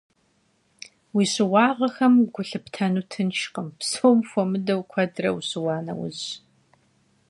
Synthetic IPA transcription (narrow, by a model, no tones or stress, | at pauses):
wiːɕɪwɑːʁɐxɐmɡʷʊɬɨptʰɐnuːtʰɨnʃqəmpsoːwmxʷɔmɨdɐwkʷʰɐdrɐ̰wuɕɪwɑːnɐ̰wʊ̰ʑ